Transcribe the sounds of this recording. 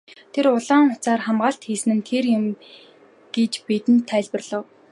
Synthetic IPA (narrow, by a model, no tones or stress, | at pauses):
t̪ʰeɾʊɮaːŋʊ̥t͡saːrχamɢaːɬt̪xiːsɘ̆nɘ̆nt̪ʰerjʊm | ɡ̥et͡ɕpet̪ɘ̆nt̪ʰːæːɮpə̆rɮə̆w